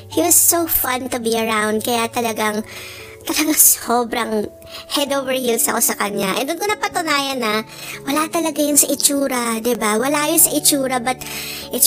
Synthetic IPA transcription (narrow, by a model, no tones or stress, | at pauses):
hiwɐsːofɐ̃nt̪ʊbiɐɹawnd̪̚kɐjat̪ɐlɐɡaŋ | t̪ɐlɐɡaŋsoːbɾɐŋ | hɛd̪oːvɛɹhilsɐko̞sɐkɐɲaʔɛ̰nd̪ʊnkonɐpɐt̪ʊnaːjɐnɐ | wɐlat̪ɐlɐɡajʊnsɐʔɪt͡ʃuːɾɐd̪ɪbawɐlaʔɐjonsɐʔɪt͡ʃuːɾɐbɐt̪ʔɪ